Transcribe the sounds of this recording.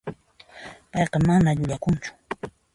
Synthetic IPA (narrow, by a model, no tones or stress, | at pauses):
pɑjqɑmanaʎʊʎakʊnt͡ʃʊ̥